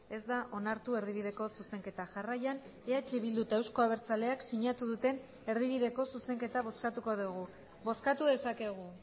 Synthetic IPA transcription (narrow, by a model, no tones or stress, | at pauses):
e̞zd̪aʔo̞naɾt̪ue̞ɾðiβiðe̞ko̞suse̞ŋke̞t̪aʝarajan | eat͡ʃeβild̪ut̪aewsko̞aβ̞e̞ɾt͡sale̞aksiɲat̪uðut̪e̞n | e̞ɾðiβ̞iðe̞ko̞suse̞ŋke̞t̪aβo̞skat̪uko̞ðuɣ̞u | bo̞skat̪uðe̞sake̞ɣ̞u